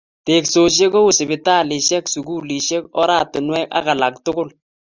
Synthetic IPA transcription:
te˨kso˨ʃ̬e˦ko˦ʊ˨sɪ˨bɪ˨ta˦˨lɪ˨ʃɛ˦ksu˨ɡu˦li˨ʃɛ˦kɔ˦ɾa˦˨tʊ˨nwɛ˦ka̰˦ka˨la˨k̚tʊ˦ɡʊ˦l

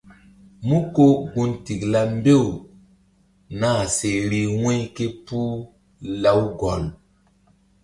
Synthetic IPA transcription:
mũ˦ko˦ɡu˦nti˨kla˦mbe˦˨w | naː˦˨se˨ɾi˦wɛ̃˦jke˦pu˦ | la˦wɡɔ˨l

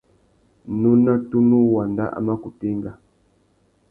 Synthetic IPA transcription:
nu˦na˦tu˦nu˦wa˨nda̰˦ʔa̰˨ma˦ku˨ti˦ŋɡa˨

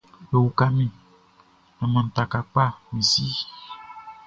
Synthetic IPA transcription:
bo˨wu˨ka˦mĩ˨ | ɛ˨mə̃˨t̪a˨ka˨k͡pa˦˨mĩ˨si˦

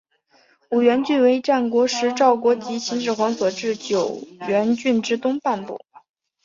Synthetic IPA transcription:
u˨˩ɥɛ˧˥nt͡ɕy˥˩nwe˧˥ɪʈ͡ʂa˥˩nkwɔ˧˥ʂɻ̩˧˥ʈ͡ʂɑ˥˩ʊkwɔ˧˥t͡ɕi˧˥t͡ɕʰi˧˥nʂɻ̩˥˩xwa˧˥nswɔ˨˩ʈ͡ʂɻ̩˥˩t͡ɕjo˨˩ʊɥɛ˧˥nt͡ɕy˥˩nʈ͡ʂɻ̩˥t̪ʊ˥ŋpa˥˧npṵ˥˩

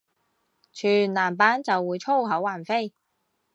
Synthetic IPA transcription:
t͡ʃʰyː˨˩nlaː˨˩mpaː˨˥nt͡sɐ˨wːuː˨˧jt͡ʃʰo˥˧wɦɐ˨˥wːaː˨˩nfe˥j

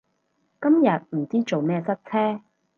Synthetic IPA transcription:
kɐ˥mjɐ˨t̚m̩˨˩t͡siː˥t͡so˨wmɛː˥˧sɐ˥t̚t͡sʰɛː˥

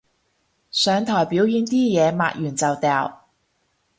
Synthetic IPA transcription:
sœː˨˧ŋt̪ʰɔː˨˩jpiː˨˥wjyː˨˥nt̪iː˥jɛː˨˧ma̰ː˧˨k̚jyː˨˩nt͡sɐ˨wt̪ɛː˨˧w

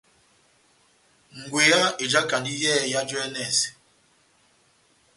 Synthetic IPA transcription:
ŋ̩˨ɡwe˨ja˦e˨d͡ʒa˦ka˨ndi˦jɛː˦˨ja˦d͡ʒɔ˦ɛ˦nɛ˦˨s

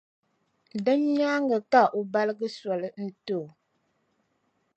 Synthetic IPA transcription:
dɨ˦ɲɲaː˦ŋɡə˨ka˦ʔo˨ba˦lɨ˦ɡɨ˦sɔ˨lɨ˨n̩˦to˦˨

